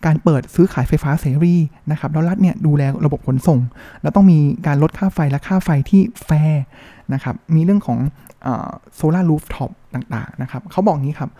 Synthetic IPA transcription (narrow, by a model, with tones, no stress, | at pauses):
kaː˧npɤː˨˩t̪̚sɯː˦˥kʰaː˩˦jfa˧jfaː˦˥seː˨˦ɾiː˥˩na˦˥kʰa˦˥p̚lɛː˦˥ɾla˦˥t̪̚ni˥˩ɐduː˧lɛː˧ɾa˧bo˨˩p̚kʰo˩˦nso˨˩ŋlɛ˦˥wt̪ɔ˥˩ŋmiː˧kaː˧nlo˦˥t̪̚kʰaː˥˩fa˧jlɛ˦˥kʰaː˥˩fa˧jt̪ʰiː˥˩fɛː˦˥ | na˦˥kʰa˦˥p̚miː˧ɾɯ˥˩əŋkʰɔː˩˦ŋ | ʔə̰ː˨˩soː˧laː˥˩luː˦˥p̚t̪ʰɔ˦˥p̚t̪aː˨˩ŋt̪a̰ː˨˩ŋna˦˥kʰa˦˥p̚kʰa˦˥wbɔː˨˩k̚niː˦˥kʰa˦˥p̚